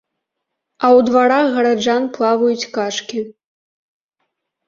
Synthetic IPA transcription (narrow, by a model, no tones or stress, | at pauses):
ɐwd̪vaɾaxɣɐɾad͡ʒanplˠavujut͡sʲkaʂkʲi